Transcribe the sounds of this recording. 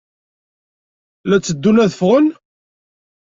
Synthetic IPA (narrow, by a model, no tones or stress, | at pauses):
læt͡sːəd̪ːunæðəfʁən